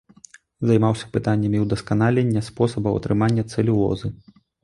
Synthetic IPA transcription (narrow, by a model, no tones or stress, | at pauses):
zɐjmawsʲɐ̥pɨt̪anʲːɐmʲiwd̪ɐskanalʲɛnʲːɐspɔsɐbɐwɐ̰t̪ɾɨmanʲːɐt̪sɛlʲiwlˠɔ̰zɨ